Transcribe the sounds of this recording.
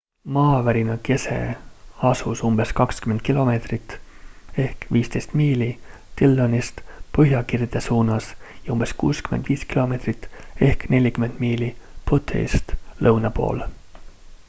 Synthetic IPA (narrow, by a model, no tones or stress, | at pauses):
mɑːvæɾinɑke̞se̞̰ɑsusumb̥e̞skɑkskyme̞nt̪̚kilo̞me̞ːt̪rit̪ːe̞hkviːst̪e̞jst̪miːli | t̪ilːonist̪pɤɦjɑkird̪̥esuːnɑsjɑumbe̞skṵːskymend̪viːskilo̞me̞ːt̪rit̪ːe̞hkne̞lʲikyme̞nd̪̥miːlipot̪ʰˑḛst̪lɤwnɑpo̞̰ːl